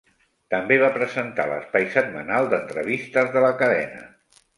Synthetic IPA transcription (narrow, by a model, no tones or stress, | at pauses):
t̪əmbeβ̞apɾəzənt̪a̰lə̰spajsət̪̚mənalˠd̪ənt̪ɾəβ̞ist̪əzðələkəðɛ̰nə̰